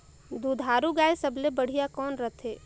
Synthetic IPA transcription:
d̪ud̪ʱaːɾuɡaːjsəblebəɽ̤ijakɔːnɾət̪ʰeː

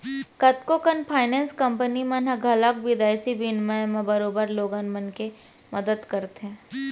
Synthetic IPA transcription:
kɐt̪kokənpʰaːɪnɛ̃ːnskɐ̃mpənimɐnɦɐɡʱɐlək̚bɪd̪aːjsibinmãmẽbɐɾoːbəɾloːɡanmənke | mɐd̪əd̪kɐɾt̪ɦɛ̃ː

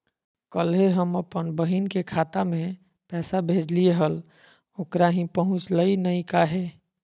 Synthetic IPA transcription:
kəlɦeɦəməpənbəɦinkekʰat̪ame | pɛsabʱed͡ʒlieɦəl | okɾaɦĩpəɦũt͡ʃləinəjkaɦe

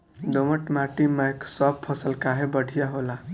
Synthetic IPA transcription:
d̪oməʈmaʈimeeksɔb̚pʰəsəlkaɦebəɽʱijaɦola

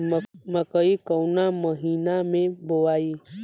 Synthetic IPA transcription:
məkəikəwnaməɦiːnamẽboʋaːi

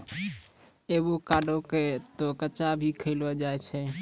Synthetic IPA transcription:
eːbokaːɖoket̪okət͡ʃabʱikʰəɪlad͡ʒaːet͡ʃʰɛ

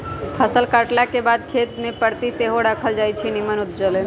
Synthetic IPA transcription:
p̪ʰəsəlkaʈlakebad̪̚kʰet̪mẽpəɾt̪iseɦoɾakʰəld͡ʒajt͡ʃʰinimənut̪̚d͡ʒəle

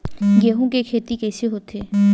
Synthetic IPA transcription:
ɡeɦũkekʰet̪ikɛsʰeɦot̪e

